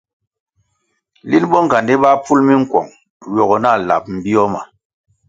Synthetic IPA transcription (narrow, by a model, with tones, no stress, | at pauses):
li˦nɓɔ˦ŋ˨ɡa˨ndi˦ɓa˦pu˦lmi˦ŋ̩˦˨kwɔ̰˨ŋ | ɥɔ˨ɣɔ˨na˦˨la̰˨p̚m̩˨bi˦ɔ˦ma˨